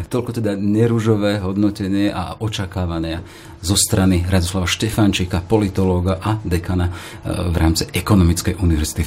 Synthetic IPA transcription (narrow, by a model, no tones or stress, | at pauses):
t̪ɔʎkɔt̪ɛd̪aɲɛɾuʒɔʋɛːɦɔd̪nɔcɛɲɪɛʔa̰ɔt͡ʃakaːʋaɲɪa | zɔst̪ɾaniɾad̪ɔslaʋaʃtɛfant͡ʃikapɔlit̪ɔlɔːɡaʔad̪ɛkana | ʋɾaːmt͡siʔɛkɔnɔmit͡skɛjʔuniʋɛɾz̥it̪i